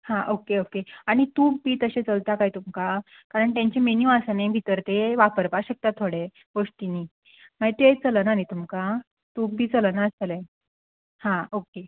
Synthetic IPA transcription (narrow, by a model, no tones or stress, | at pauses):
hãʔokeokeaɽ̃it̪uːk̚biːt̪əɕet͡səlt̪akaɦiːt̪umka | kaɾəɳt̪jãɲt͡ɕemenjũasənẽbʱit̪əɾt̪eʋapəɾpaɕək̚t̪at̪ʰːoɽe | ɡoʂt̪ini | maɡit̪t͡sələnanit̪umka | t̪uːk̚bʱiːt͡sələnaəsle | hãoke